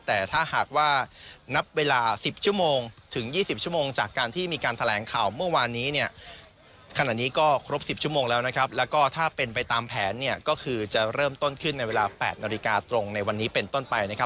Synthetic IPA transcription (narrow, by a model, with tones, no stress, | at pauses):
t̪ɛː˨˩t̪ʰaː˥˩haː˨˩k̚waː˥˩na˦˥p̚weː˧laː˧si˨˩p̚t͡ɕʰu˥˩əmoː˧ŋt̪ʰɯ˩˦ŋjiː˥˩si˨˩p̚t͡ɕʰu˥˩˨moː˧ŋt͡ɕaː˨˩kːaː˧nt̪ʰiː˥˩miː˧kaː˧nt̪ʰa˧lɛː˩˦ŋkʰaː˨˩wmɯ˥˩ɐwaː˧nːiː˦˥ni˥˩ɐ | kʰa˧na˨˩t̪̚niː˦˥kɔː˥˩kʰɾo˦˥p̚si˨˩p̚t͡ɕʰu˥˩moː˧ŋlɛː˦˥wna˦˥kʰɾa˦˥p̚lɛː˦˥wkɔː˥˩t̪ʰaː˥˩pe˧npa˧jt̪aː˧mpʰɛː˩˦nːi˥˩ɐkɔː˥˩kʰɯː˧t͡ɕa˨˩ɾɤː˥˩mt̪o˥˩nkʰɯ˥˩nːa˧jweː˧laː˧pɛ̰ː˨˩t̪̚naː˧li˦˥kaː˧t̪ɾo˧ŋna˧jwa˧nːiː˦˥pe˧nt̪o˥˩npa˧jna˦˥kʰa˦˥p̚